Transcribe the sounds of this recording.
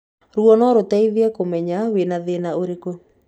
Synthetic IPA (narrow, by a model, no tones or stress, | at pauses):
ɾwɔnɔɾotaiðɛkomɛɲawenaðenaoɾeko